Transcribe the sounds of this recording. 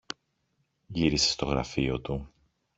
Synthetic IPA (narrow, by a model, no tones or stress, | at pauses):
ʝiɾise̥st̪o̞ɣɾɐ̰fio̞t̪u